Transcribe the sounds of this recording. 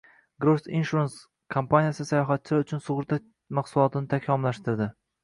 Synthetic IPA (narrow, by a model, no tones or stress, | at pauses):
ɡɾosinʃuɾens | kʰompanijasɪsajɒɦat̪̚t͡ʃʰɪlaʊt͡ʃʰʊnsʊʁɾt̪ʰa | maχsʊlˠɒt̪ʰɪnɪt̪ʰakʲʰɒmlaʃt̪ɪɾd̪ɪ